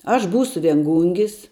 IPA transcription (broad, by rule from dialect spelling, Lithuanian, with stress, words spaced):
ɐʃ ˈbuːsʊ ʋʲiɛŋˈɡuːŋʲɡʲɪs